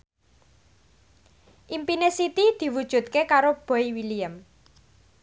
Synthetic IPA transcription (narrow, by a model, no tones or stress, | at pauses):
ʔimpinesit̪id̪̥i̤wud̥ʒ̥ṳt̪̚kekaɾob̥ɔ̤iwiliəm